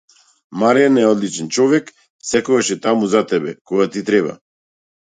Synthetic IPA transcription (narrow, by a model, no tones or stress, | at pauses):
maɾɛanɛɔd̪lit͡ʃɛnt͡ʃɔvɛk | sɛkuvaʃɛt̪amuzat̪ɛbɛkɔɡat̪it̪ɾɛba̰